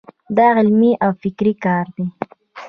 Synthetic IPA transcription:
d̪ɑɣɪlmiʔawfɪkɾikɑɾd̪i

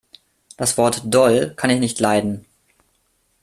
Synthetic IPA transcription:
d̥asv̥ɔɐtd̥ɔlkʰanɪçnɪçtlaɪdn̩

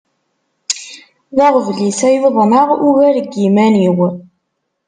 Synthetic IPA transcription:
ðæʁvlisæjəðˤnəʁuvæɾɡimæniw

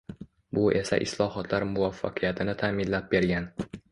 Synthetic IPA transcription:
bʊʔe̞sa̰ʔɪ̰slˠɒhɒt̪ʰlaɾmʊvafːa̰qʰɨjat̪ʰɪnɪt̪ʰaːmɪnlap̚be̞ɾɡʲan

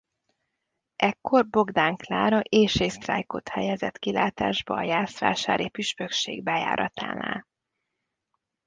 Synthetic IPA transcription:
ʔɛkːo̞rbo̞ɡd̪aːŋklaːɾɒʔeːʃeːst̪ra̰ːjkot̪hɛjɛzɛt̪kilaːt̪aːʒbɒːjaːsʋa̰ːʃaːɾʔipyʃpøkʃḛːɡ̚bɛja̰ːɾʔɒ̰t̪a̰ːna̰ːl

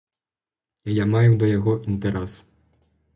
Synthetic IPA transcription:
ijamajud̪ɔjaɣɔʔint̪ɛɾɛs

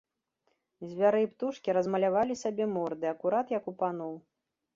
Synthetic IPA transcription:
zʲvʲaɾɨpt̪uʂkʲiɾɐzmɐlʲavalʲisʲabʲɛmɔrd̪ɨɐkuɾat̪jɐkupanɔw

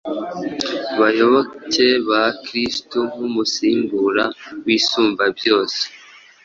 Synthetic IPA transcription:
βajo̞βoceβakɾistum̥umusiːmbuɾawiːsuːmvabjo̞ːse̥

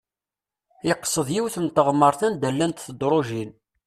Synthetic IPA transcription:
ɪqːsˤəðˤjiwθəmt̪əʁmːəɾˤθənd̪ælːænt̪θəd̪ɾˤoʒin

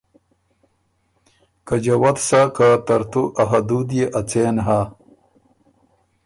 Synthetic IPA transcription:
kad͡ʑɐwɐt̪sakat̪ɐɾt̪uʔɐɦad̪ud̪jeʔɐt͡seːnɦaː

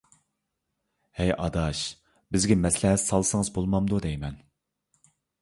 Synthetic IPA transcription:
hɛjʔɑd̪ɑʃ | bɪzɡʲɛmɛslɛɦɛsɑlˠsɨŋɨzbolˠmɑmd̪ud̪ɛjmɛn

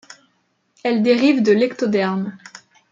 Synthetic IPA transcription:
ɛld̪eʁivd̪əlɛkt̪od̪ɛʁm

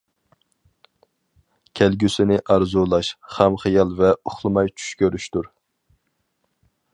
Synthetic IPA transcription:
kʲʰɛlɡʲysɪnɪʔɑɾzulˠɑʃχæmχijɑlˠvɛuχlˠɨmɑjt͡ʃʰy̥ʃkʲʰøɾyʃt̪uɾ

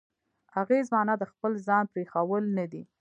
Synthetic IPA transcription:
haɣezmɑnad̪əxpəlzɑnpɾexawəlnad̪i

